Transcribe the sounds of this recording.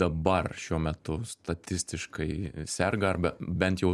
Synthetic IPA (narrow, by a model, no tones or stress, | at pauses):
ɐbɐrʃʲuɔmʲɛt̪ʊst̪ɐt̪ʲɪsʲt̪ʲɪʃkɐɪsʲɛrɡɐɐɾbɐbʲɛnt̪jɛʊ